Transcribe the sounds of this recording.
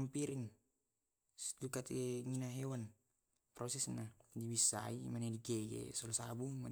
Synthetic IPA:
mpiɾiŋ | sdukat̪eŋinaɦewan | pɾɔsɛsnadibisa̰imanediɡeɡḛsɔlsabuma

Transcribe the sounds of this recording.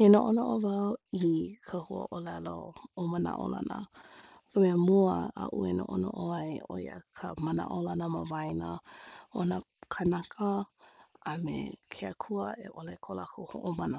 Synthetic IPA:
henoʔonoʔovawikʰəhuə̰ʔolɛlo̰omana̰ʔo̰la̰nə̰ | vəmemuəa̰ʔuenoʔonoʔoajoj̰ə̰kʰəməna̰ʔolanəməvajnəʔonə | kʰənakʰə | amḛkʰeəkʰuəʔḛʔolɛkʰolakʰohoʔomanə

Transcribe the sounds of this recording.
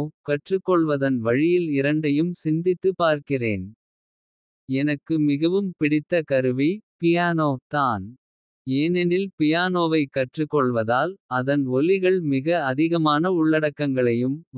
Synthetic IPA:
kɐʈrɯkːɔɭʋɐðɐnʋɐɻɪjɪlɪɾɐɳɖɐjɯmsɪnd̪ɪt̪ːɯpaːɾkɪrḛːn | ɛnɐkːɯmɪɣɐʋɯmpɪɽɪt̪ːɐkɐɾɯʋipɪjaːnoːt̪aːn | eːnɛnɪlpɪjaːnoːʋɐɪkːɐʈrɯkːɔɭʋɐðaːlɐðɐnɔlɪɣɐɭmɪɣɐɐðɪɣɐmaːnɐʊɭːɐɽɐkːɐŋɡɐɭɐjɯm

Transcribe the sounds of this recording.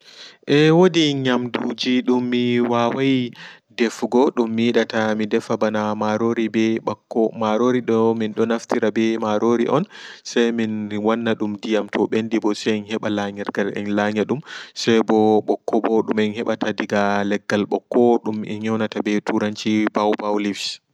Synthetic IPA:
ʔɛwodiɲamdud͡ʒiɗumːiwawaj | dɛfɡɔɗumːiɗatamidɛfabanamaɾoɾibɛɓakːɔmaɾoɾiɗɔminɗɔnaftiɾabɛmaɾoɾḭʔɔnsajminwanːaɗumdijamtʰɔɓendibɔsanhɛɓalaɲɛɾɡalɛ̰nlaɲaɗumsajbɔɓɔkːɔbɔɗumɛnhɛɓatʰadiɡalɛɡːalɓɔkːɔɗumɛ̰ɲɔwnatabɛtʰuɾant͡ʃibawbawlifs

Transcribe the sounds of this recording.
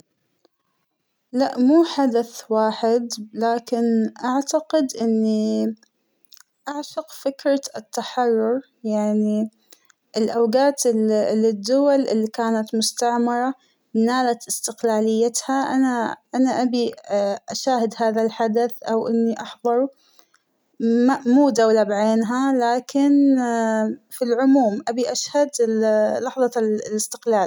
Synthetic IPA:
laʔmuːħad̪aθwaːħɪd̪laːkɪnʔaʕt̪aqɪd̪ʔɪnːi | ʔaʕʃʊqfɪkɾˤɑt̪ːaħɑrˤːʊɾ | jaʕni | ʔɪlʔawɡaːt̪lɪd̪ːʊwalʔɪlːikaːnat̪mʊst̪aʕmɑɾˤɑ | naːlat̪ɪst̪ɪqlaːlɪjːat̪haʔanaʔanaʔabiʔaʃaːhɪd̪haːðalħad̪aθʔawʔɪnːiʔɑħðˤɑɾˤu | mmuːd̪awlabʕeːnɦalaːkɪn | filʕʊmuːmʔabiʔaʃhad̪lɑħðˤɑlɪst̪ɪ̥qlaːl

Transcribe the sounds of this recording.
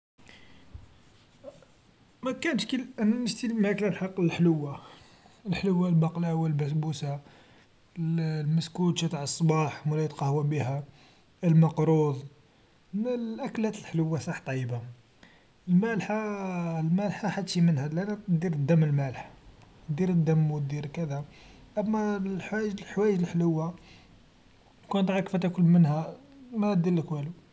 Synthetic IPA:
mækænʃkəlʔænnəst̪ilmæklælħɑqːəlħləwːa | əlħləwːalbɑqlawəlbæsbusa | llməskut̪ʃæt̪aʕəsˤːbɑħmælæjət̪qɑhwæbihæ | əlmɑqɾuðˤ | lʔæklhæt̪əlħləwːasˤɑħt̪ˤːɑjːəba | əlmælħalmælħaħat̪ʃimənhælʔænd̪iɾəd̪ːæmːəlmælħ | d̪iɾəd̪ːəmːwəd̪iɾkəd̪æʔəmːælħwæʒlħwæjəʒəlħləwːa | kunt̪ˤʕɑkfæt̪ækʊlmənhæmæd̪ilːəkwælu

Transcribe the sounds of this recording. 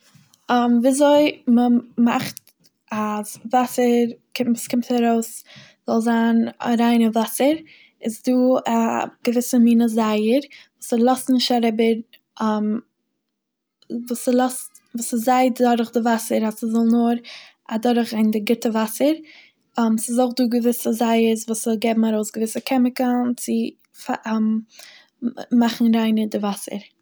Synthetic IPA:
mviːazoɪməma̰χt | azvasəɾkɪmuskɪmthɛɾoʊs | z̥ɔlˠzaːna̰ɾaɪnəvasəɾ | ɪsduːaɡ̥əvɪsəmiːnəzaɪəɾvuːsɪlˠɔstnɪʃtaɾɪbəɾ | ʔm | vuːsəlˠɔst | vuːsɪzaɪddɔɾχdɪvasəɾasɪzɔlˠnʊɾ | adɔɾɪχaɪndɪɡɪtəvasəɾ | msɪzoʊχduːɡəvɪsəzaɪəsvuːsɔlˠɡeːbm̩aɾoʊsɡəvɪsəkʰɛmɪkənt͡sɪ | fam | maχn̩ɾaɪnədɪvasə̰ɾ

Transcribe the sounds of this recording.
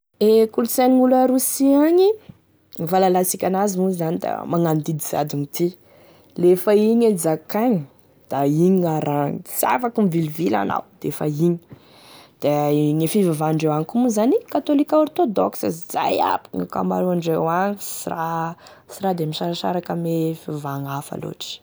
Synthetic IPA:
ekulsenŋuləɾusiaɲi | ivalalasikʲanazimuzanid̪a̰maŋand̪id̪iz̥a̰d̪iŋit̪ʰi | lefaiɲed͡zakaɲi | d̪̥aiɲiaɾaŋi̥sia̰fakumvilivila̰na̰wd̪̥eefaiɲi̥ | d̪̥eɲefivavaɳɖ͡ʐewaŋikumuzanikat̪olikauɾit̪od̪o̰ksə̰ziza̰ja̰piŋika̰ma̰ɾuaɳɖ͡ʐewaŋsira | siɾad̪emiʃaɾaʃa̰ɾakamefivaŋafa̰lo̰ʈ͡ʂi̥

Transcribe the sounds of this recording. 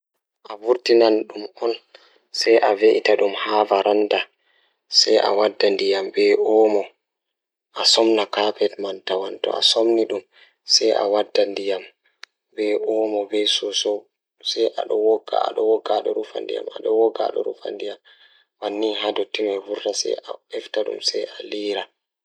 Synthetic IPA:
ʔavuɾtinanɗumɔn | sɛjʔaveʔitaɗumhavaɾanda | sɛjʔa̰wadːandijambɛʔɔmɔ | ʔasɔmnakapɛtmantawantɔ̰a̰somniɗum | sɛjʔa̰wadːandijam | bɛʔɔmɔbɛjsɔsɔ | sɛjʔa̰ɗɔwɔɡa̰a̰ɗɔwɔɡaɗɔɾufa̰ndḭja̰ma̰ɗɔwɔɡa̰ɗɔ̰ɾṵfa̰ndijam | wanːiɦadɔtimɛvuɾdasɛ̰jaɛftaɗṵmsɛjʔaliːɾa

